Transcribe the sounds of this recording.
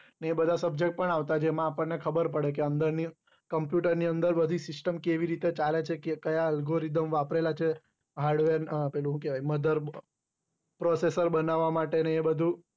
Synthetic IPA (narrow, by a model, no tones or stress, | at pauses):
neːbəd̪ʱasəb̚d͡ʒek̚ʈ̚pəɳaʋt̪ad͡ʒemãːpəɳnekʰəbəɾpəɽekeənd̪əɾni | kəmpjuʈəɾniənd̪əɾbəd̪ʱisɪsʈəmkeʋiɾit̪et͡ʃalet͡ʃʰekekəjaəlɡoɾid̪əmʋapɾelat͡ʃʰe | ɦaɾɖʋeɾnpelũɦũkeʋaiməd̪ʱəɾ | pɾɔsesəɾbənaʋːamaʈeneːbəd̪ʱũ